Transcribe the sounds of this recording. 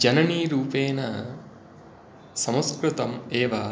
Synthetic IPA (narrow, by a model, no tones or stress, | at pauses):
d͡ʒɐnɐniːɾuːpeːnɐ | sɐmɐskɾut̪ɐmeːʋa